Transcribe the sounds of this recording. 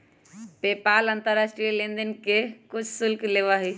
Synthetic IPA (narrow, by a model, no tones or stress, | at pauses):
pepalənt̪əɾːasʈɾijəlend̪ənkekut͡ʃʰsulkleʋəɦi